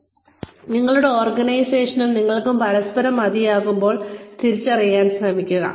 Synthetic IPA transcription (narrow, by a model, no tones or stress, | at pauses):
niŋːɐɭuɽe̞oːrɡɐnɐjseːʂɐnumniŋːɐɭkːumpɐɾɐspɐɾɐmːɐðijaːɣumbo̞ːɭt̪iɾit͡ɕːɐrijːaːnsrɐmikʲːuɣɐ̰